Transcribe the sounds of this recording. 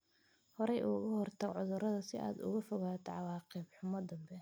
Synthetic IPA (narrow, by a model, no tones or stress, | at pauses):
hɔɾɛjʔuːɣɐhɔrt̪ʰɐɡʕʊðʊɾɐðɐsɪʔa̰ːd̪ʊ̰ɣɐfɔɣaːt̪ʰɑʕɑwɑːqibħʊmɐd̪ɐmbɛ